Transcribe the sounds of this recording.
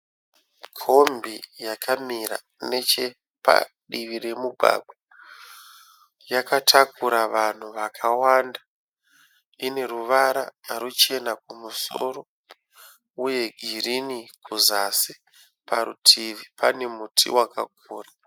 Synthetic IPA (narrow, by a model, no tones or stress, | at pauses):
kʰo̞mbijakʰamiɾa̰ | ne̞t͡ʃe̞ | pa̰ | ɗiʋiɾe̞muɡʱa̰ɡ͡bwa | jakatʰakuɾaʋan̤uʋakʰawanda | ine̞ruʋaɾaaɾut͡ʃe̞nakumuso̰ɾo̞ | uje̞ɡʱirinikuzasi | paɾṵtʰiʋipane̞mutʰḭwaka̰k̚uːra